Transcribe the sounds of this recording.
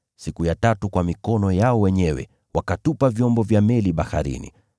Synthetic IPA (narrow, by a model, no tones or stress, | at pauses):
sikujatatukwamikɔnɔjaɔwɛɲɛwɛ̰ | wakatupavjɔmbɔvjamɛliɓaha̰ɾḭnḭ